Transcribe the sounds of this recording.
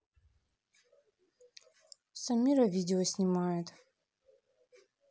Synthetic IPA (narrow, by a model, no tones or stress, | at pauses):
samʲːiɾɐvʲidʲɪosʲnʲimajɛt̪